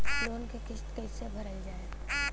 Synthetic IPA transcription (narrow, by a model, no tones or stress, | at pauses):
loːnkekɪʃt̪keɪsebʱɐɾəld͡ʒaːe